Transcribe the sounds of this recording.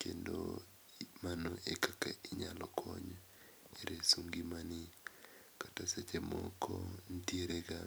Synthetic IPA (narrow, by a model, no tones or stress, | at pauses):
kendo̰ | manoʔekaka̰ɪɲalɔkʰɔɲ | eɾesuŋɡimanɪ | kataset͡ʃemɔkʰɔntjieɾeɡa